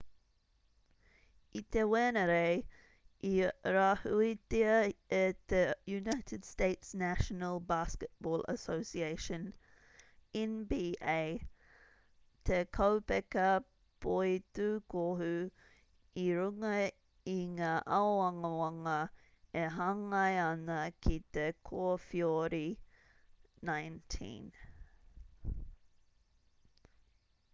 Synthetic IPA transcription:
it̪ewɛnəɾeɪ | ʔiɾahuitiəet̪ejunaɪtʰɪd̥steɪtsnæʃənəlˠbaskət̚b̥ɔːlə̰soʊsieɪʃə̃n | ɛnbieɪ | t̪ʰekʰowpɛkə | pʰojtukʰoɦʉ | iɾuŋɐ | iŋaːʔaɐŋəwɐŋɐ | eɦɐŋɐjɐnɐkʰit̪ekʰoəfioɾi | najntʰḭ̃n

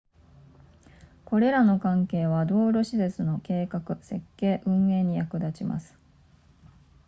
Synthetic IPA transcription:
ko̞ɾe̞ɾano̞kãŋke̞ːβ̞ad̪o̞ːɾoɕize̞t͡sɨno̞ke̞ːkakɯ̟se̞kːe̞ːʔɯ̟̃ɰ̃e̞ːɲ̟ijakɯ̟d̪at͡ɕima̰sɨ̥

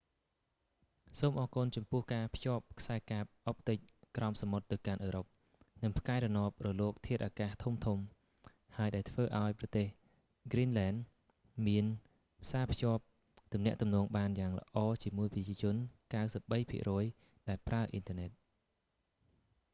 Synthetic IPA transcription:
soːmʔɑːkunt͡ɕɑmpʊ̆əhkaːpʰjŏəp̚kʰsaɛkaːp̚ʔop̚t̪ɨc̚krʔɑmsamot̪ːɨwkanʔəːɾop̚ | nɨŋpʰkaɛɾɑnŏəp̚rɔloːk̚t̪ʰiət̪̚ʔaːkaːht̪ʰumt̪ʰum | haəjɗaɛlt̪ʰʋəːʔaɔjprɑt̪eːh | ɡrinlɛːn | miən | pʰsaːpʰjŏəp̚ | t̪umnɛ̆əʔt̪umnɔːŋɓaːnjaːŋlə̰̆ʔɑːt͡ɕiəmuəjprəct͡ɕiət͡ɕʊ̆ənkawsəp̚ɓəjpʰḭəʔrɔːj | ɗaɛlpraəʔint̪əənɛt̪̚

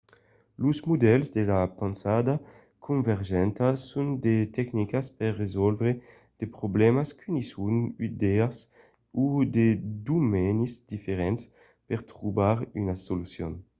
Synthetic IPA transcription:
luzmud̪ɛlzd̪elapansad̪a | kʰũɱvɛʁʒɛnt̪asund̪et̪ɛknikaspɛrːezɔlvɾe | d̪̥epɾoblɛmaskʰynisunid̪ɛas | ud̪ed̪umɛnizd̪ifeɾɛns | peʁt̪ɾubaɾynasolusjɔ̰n

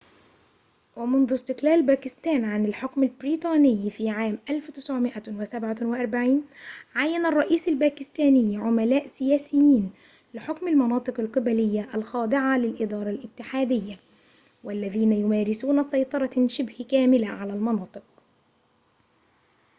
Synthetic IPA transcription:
wɪmʊnðʊst̪ɪqlæːlbæːkɪst̪æːnʕanɪlħʊkmɪlbɾiːt̪ˤɑːnɪjːfiːʕaːmʔalfwt̪ɪsʕʊmɪʔawɪsabʕawɪʔɑɾˤbaʕiːnʕajːanɑrˤːɑʔiːsalbæːkɪst̪æːnɪjːʕʊmælæːʔsɪjæːsɪjːiːn | lɪħʊkmɪlmɑnɑːt̪ˤɨqɑlqɨbælɪjːaʔælxɑːd̪ˤɪʕalɪlʔɪd̪ɑːɾˤɑlʔɪt̪ːɪħaːd̪ɪjːa | wælːæðiːnæjʊmæːɾɪsuːnasɑjt̪ˤɑɾˤɑʃɪbhkæːmɪlaʕalælmɑnɑːt̪ˤɨq̚

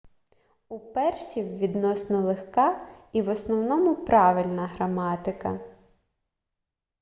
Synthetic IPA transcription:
upɛrsʲiwʋʲid̪nɔsnɔlˠexkɑiʋɔsnɔwnɔmʊpɾɑʋɪlʲnɐɦɾɐmɑt̪ɪkɐ̰

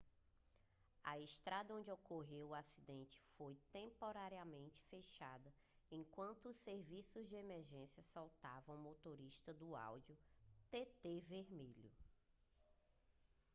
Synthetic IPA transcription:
ɐeʃt̪ɾad̪ɐõd͡ʒɪokoɦewʊasid̪ẽnt͡ʃɪ̥fojt̪ẽpoɾaɾiɐmẽnt͡ʃɪ̥feʃad̪ɐ | ẽkwɐ̃nt̪ʊːseɾvisʊzd͡ʒɪemeɾʒẽsjɐsawt̪avɐ̃w̃mot̪oɾiʃt̪ɐd̪ʊa̰wd͡ʒiʊt̪et̪eveɾmiʎʊ

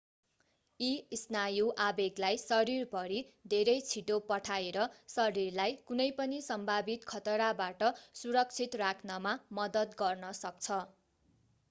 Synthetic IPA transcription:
isnajuʔabeɡlajsʌɾirpʌɾid̪ʱeɾʌjt͡sʰiʈopʌʈʰaeɾʌsʌɾirlajkunʌjpʌnisʌmbʱabit̪kʰʌt̪ʌɾabaʈʌsuɾʌk̚t͡sʰit̪rakʰnʌmamʌd̪ʌt̪ɡʌrnʌsʌk̚t͡sʰʌ

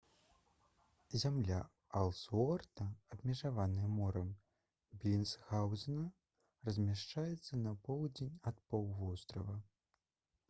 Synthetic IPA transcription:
zʲamlʲa | ɐlˠsɔrt̪ɐːb̚mʲɛʐavanɨjɛmɔɾɐm | bʲlʲinsɣawzʲnɐ | rɐzʲmʲaʂt͡ʂajɛt̪sːɐnɐpɔwd͡zʲenʲɐt̪̚pɔwvɔst̪ɾɐvɐ

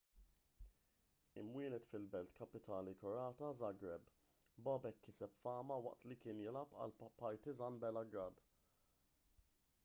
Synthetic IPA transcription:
ɪmwɪːnɛt̪fɪlbɛlt̪kɐpɪt̪ɐːnikɔɾɐːt̪ɐzɐɡɾɛb | bɐbɛkːɪsɛpfɐːmɐwɐ̰ʔt̪likɪːnjɪlɐpɐ̰lpɐɾt̪izɐnbɛlɐɡɾɐd̪

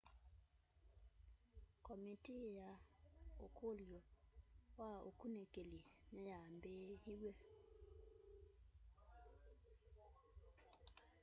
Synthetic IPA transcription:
kɔmitijaokʰolewao̰kunekelinɛjambehiwe

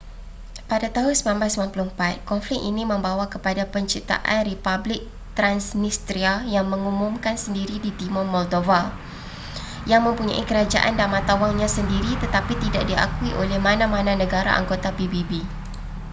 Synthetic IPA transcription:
padat̪aɦʊnsəmlamblasəmlanpuluəmpat̪̚kɔnflɪk̚ʔinĩmə̃mbawakəpadapəɲt͡ʃit̪a̰ʔanripablɪk̚ | t̪ɾansnist̪ɾiajaŋmə̃ŋumũmkansəndiɾidit̪imɔmɔldova | jaŋmə̃mpuɲã̰ʔikəɾad͡ʒa̰ʔandamãt̪awaŋɲãsəndiɾit̪ət̪apit̪ida̰ʔ̚dia̰kuiʔolɛhmãnãmãnãnə̃ɡaɾa̰ʔa̰ŋɡot̪apibibi

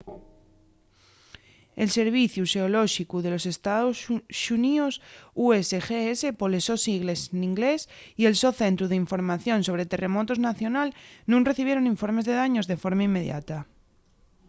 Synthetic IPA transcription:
e̞lse̞ɾβ̞iθjuʃeoloʃikuðe̞lo̞se̞st̪aðosʃuniosuesexeese̞polesosiɣlesniŋɡlesie̞lso̞θe̞nt̪ɾuð̞eiɱfo̞ɾmaθjõ̞nso̞β̞ɾet̪e̞re̞mo̞t̪oznaθjo̞nalnũŋre̞θiβjeɾo̞niɱfo̞ɾme̞zðe̞ðaɲo̞zðe̞fo̞ɾmaimːe̞ðja̰t̪a

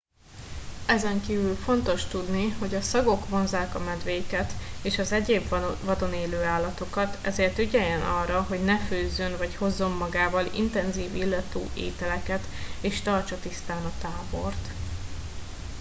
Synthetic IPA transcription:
ɛzɛŋkiːvylfo̞nt̪o̞ʃt̪ud̪niho̞ɟɒsɒɡo̞kʋo̞nzaːkɒmɛd̪ʋeːjkɛt̪eːʃɒzɛɟeːbvɒd̪o̞neːløːaːlːɒt̪o̞kɒt̪ɛzeːrt̪yɟɛjɛnɒrːɒɦo̞ɟnɛføːzːønvɒcho̞zːo̞mːɒɡaːvɒlḭnt̪ɛnziːvilːɒt̪ṵːʔḛːt̪ɛlɛkɛt̪eːʃt̪ɒrt͡ʃɒt̪ist̪aːnɒt̪aːbo̞̰rt̪

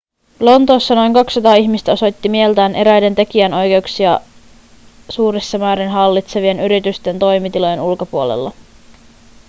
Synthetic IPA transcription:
lo̞nt̪o̞ːsːɑno̞jŋkɑksːɑt̪ɑːiçmist̪æo̞so̞jt̪ːimie̞lt̪æːnʔe̞ɾæjde̞nt̪e̞k̟iæno̞jk̟e̞uksiɑ | suːɾesːɑmæːɾinɦɑlːit̪se̞ʋie̞nyɾit̪yst̪e̞nt̪o̞jmit̪ilo̞je̞nulko̞puo̞lḛlːɑ

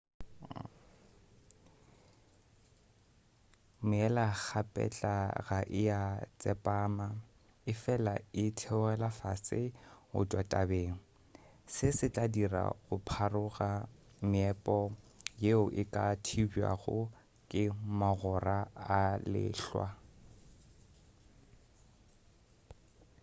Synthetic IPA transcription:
mʊɛlak͡xʰapʼɛ̰t͡ɬʼaɣaʔɪjat͡sʼɛpʼaːma | ɪfɛlaɪtʰɛʊɣɛlafasɪʊ̰tʼwatʼabeːŋ̩ | sɪsɪt͡ɬʼadira̰ɣʊpʰarʊɣa | mɪɛpʼɔ | jeʊʔɪkʼatʰibia̰ɣʊ̰ | kʼɪmaɣɔraalɪ̰ːɬwa̰

